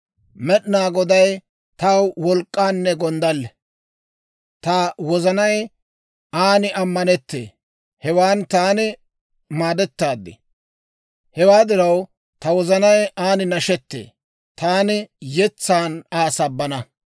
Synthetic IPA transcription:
mɛɗnaːɡɔd̪ɐj | t̪ɐwwɔlkʼːaːnːɛɡɔnd̪ɐlːɛ | t̪ɐwɔzɐnɐj | aːnɪɐmːɐnɛt̪ːḛː | hɛwaːnt̪aːnɪ | maːd̪ɛt̪ːaːd̪ːɪ̰ | hɛwaːd̪ɪɾɐw | t̪ɐwɔzɐnɐjaːnɪnɐʃɛt̪ːḛː | t̪aːnɪjɛt͡sːaːnaːsɐbːɐnɐ

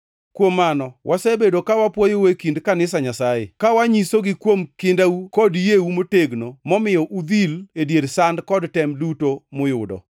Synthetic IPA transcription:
kwomːanɔwʔasebedokawapwɔjowekindkanɪsaɲasajḛkawaɲisoɡɪkwomkɪndaukɔdjeumoteɡnomɔmɪjɔʔud̪iledjedsandkɔdtɛmdutomʊjʊdɔ̰

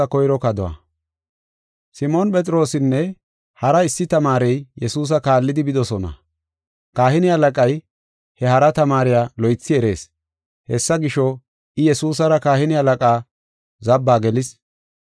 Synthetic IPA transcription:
ɐkɔjɾɔkɐd̪ɔwa̰ | sɪmonpʼɛt͡sʼɪɾo̞ːsɪnːɛ | hɐɾɐɪsːɪt̪ɐmaːɾɛjjɛsuːs̬ɐkaːlːɪd̪ɪbɪd̪ɔsɔnɐ̰ | kaːhɪnɪhɐlɐkʼɐj | hɛhɐɾɐt̪ɐmaːɾɪjaːlɔjt͡sːɪɛɾe̞ːs | hɛsːɐɡɪʃɔ | ʔɪjɛsuːs̬ɐɾɐkaːhɪnɪhɐlɐkʼaː | zɐbːaːɡɛlɪs

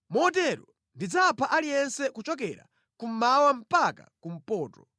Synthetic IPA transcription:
mɔt̬ɛɾɔ | ndid͡zapʰaʔalijɛnsɛkut͡ʃɔk̬ɛɾa̰ | kum̩mawam̩paka̰kum̩pɔːtɔ

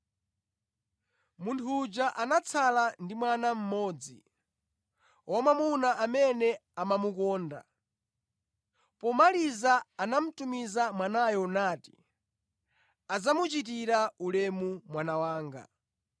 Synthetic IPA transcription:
muntʰud͡ʒaʔanat͡sʰalandimwanam̩mɔːd͡zi | ɔmamunaʔamɛnɛamamukɔːnda̰ | pɔmalizaːnam̩tumizamwanajɔnaːti̥ | ad͡zamut͡ʃit̬iɾaulɛmumwanawaːŋɡa̰

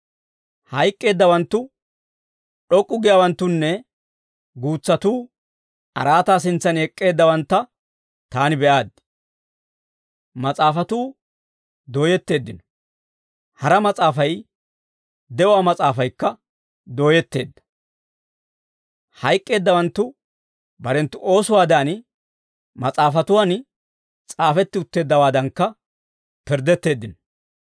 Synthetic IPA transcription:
hɐjkʼːe̞ːd̪ːɐwɐnt̪ːʊ | ɗɔkʼːʊɡɪjaːwɐnt̪ːʊnːɛ | ɡuːt͡sːɐt̪uː | ɐ̰ɾaːt̪aːs̬ɪnt͡sːɐnɛkʼːe̞ːd̪ːɐwɐnt̪ːɐ | t̪aːnɪbɛʔaːd̪ɪ | mɐt͡sʼaːfɐt̪uː | d̪o̞ːjɛt̪ːe̞ːd̪ːɪnɔ̥ | hɐɾɐmɐt͡sʼaːfɐj | d̪ɛʊwaːmɐt͡sʼaːfɐjkːɐ | d̪o̞ːjɛt̪ːe̞ːd̪ːɐ̥ | hɐjkʼːe̞ːd̪ːɐwɐnt̪ːʊ | bɐɾɛnt̪ːʊʔo̞ːsʊwaːd̪aːn | mɐt͡sʼaːfɐt̪ʊwaːn | t͡sʼaːfɛt̪ːɪʊt̪ːe̞ːd̪ːɐwaːd̪ɐŋkːɐ | pɪɾd̪ɛt̪ːe̞ːd̪ːɪnɔ̥

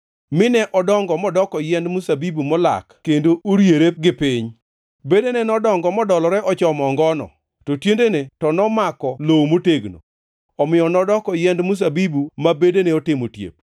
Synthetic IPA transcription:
mɪnɛʔɔdɔŋɡɔmɔdɔkɔjɛndmusabibumɔla̰kkendoʔoɾjeɾep̚ɡɪpɪɲ | bedenɛnɔdɔŋɡɔmɔdɔlɔɾɛʔɔt͡ʃɔmɔŋɡɔnɔ̰ | totjendenetɔnɔmakɔlowmoteɡno̰ | ɔmɪjɔnɔdɔkɔjɛndmus̬abibumabedeneɔtɪmotjḛp̚

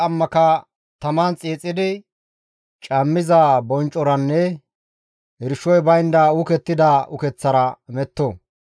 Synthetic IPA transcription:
ɐmːɐkɐ | t̪ɐmant͡sʼiːt͡sʼːɪd̪ɪ | t͡ʃʼɐmːɪzabɔnt͡ʃʼːɔɾɐnːɛ | ɪɾʃɔjbɐjnd̪aʊkɛt̪ːɪd̪aʊkɛt͡sːɐɾɐmɛt̪ːo

